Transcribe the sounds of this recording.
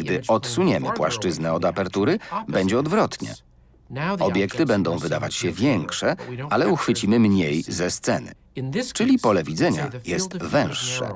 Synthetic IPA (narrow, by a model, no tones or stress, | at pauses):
ɡd̪ɘʔɔt̪suɲɛmɘpwaʂt͡ʂɘznɛɔd̪apɛɾt̪uɾɘbɛɲd͡ʑɛɔd̪vɾɔt̪ɲɛ̰ | ɔbʲjɛkt̪ɘbɛnd̪ɔ̃w̃vɘd̪avat͡ɕɕɛvʲjɛŋkʂɛalɛuxfɘt͡ɕimɘmɲejzɛst̪sɛnɘ̰ | t͡ʂɘlʲipɔlɛvʲid̪zɛɲajɛst̪vɛ̃w̃ʂːɛ̰